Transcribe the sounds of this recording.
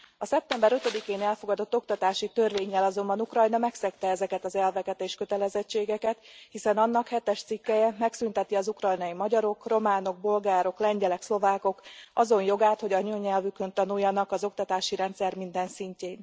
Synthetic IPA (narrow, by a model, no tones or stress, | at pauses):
ɒsɛp̚t̪ɛmbɛɾøt̪ø̞d̪ikeːnɛlfo̞ɡɒd̪o̞t̪ːo̞kt̪ɒt̪aːʃit̪ørveːɲːɛlɒzo̞mbɒnukrɒjnɒmɛksɛkt̪ɛɛzɛkɛt̪ɒzɛlvɛkɛt̪eːʃkø̞t̪ɛlɛzɛt͡ʃːeːɡɛkɛt̪hisɛnɒnːɒkhɛt̪ɛʃt̪sikːɛjɛmɛksynt̪ɛt̪iɒzukrɒjnɒjimɒɟɒɾo̞kro̞maːno̞ɡ̚bo̞lɡaːɾo̞klɛɲɟɛlɛkslo̞vaːko̞kɒzo̞njo̞ɡaːt̪ho̞ɟɒɲøɲɛlvykønt̪ɒnujːɒnɒkɒzo̞kt̪ɒt̪aːʃiɾɛnt̪sɛrmind̪ɛnsiɲceːn